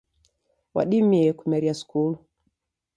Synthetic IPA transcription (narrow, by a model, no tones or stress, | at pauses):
wa̰ɗimiɛkumɛɾiaskulu